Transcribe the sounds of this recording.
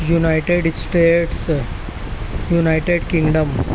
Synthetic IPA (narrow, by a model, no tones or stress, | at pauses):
junajʈeɖsʈeʈs | junajʈeɖkiŋɡɖəm